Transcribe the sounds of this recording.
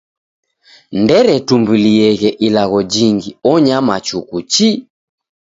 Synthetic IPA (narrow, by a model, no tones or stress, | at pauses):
ndɛɾɛtumbuliɛɣɛʔilaɣɔd͡ʒiŋɡiɔɲamat͡ʃukut͡ʃi